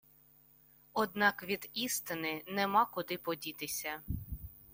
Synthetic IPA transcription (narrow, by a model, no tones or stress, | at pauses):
ɔd̪nɑkʋʲid̪ist̪ɪnɪnɛmɑkʊd̪ɪpɔdʲit̪ɪsʲɐ